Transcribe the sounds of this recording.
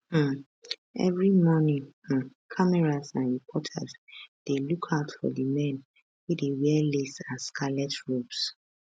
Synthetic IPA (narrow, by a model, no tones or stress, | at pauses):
h̩ | ʔɛ̰vɹimɔnĩŋ̩kʰamɛɹazãnɹipʰɔtʰa̰zd̥elukʰaʊtfɔ̰dəmɛ̃n | widewɛlesaskʰalɛtʰɹops